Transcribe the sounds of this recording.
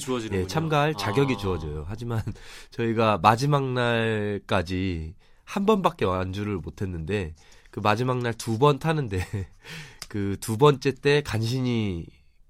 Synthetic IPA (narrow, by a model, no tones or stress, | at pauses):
t͡ɕuʌije̞t͡ɕʰamɡaɦaɭt͡ɕaɡjʌɡit͡ɕuʌd͡ʑʌjoɦad͡ʑimant͡ɕʌiɡamad͡ʑimaŋnaɭk͈ad͡ʑi | hanbʌnbak͈e̞wand͡ʑuɾɯɭmotʰe̞nːɯnde̞kɯmad͡ʑimaŋnaɭtubʌntʰanɯnde̞ | kɯtubʌnt͡ɕ͈e̞t͈e̞kanɕ̬ʰiɲi